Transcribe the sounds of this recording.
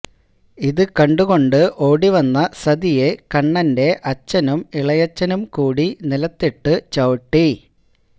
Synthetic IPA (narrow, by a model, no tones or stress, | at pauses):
iðɨkɐɳɖuɣo̞ɳɖɨʔo̞ːɽiʋɐnːɐsɐd̪ije̞kɐɳːɐnde̞ʔɐt͡ɕːɐnumiɭɐjɐt͡ɕːɐnumkuːɽinilɐt̪ːiʈːɨt͡ɕɐʋʈːi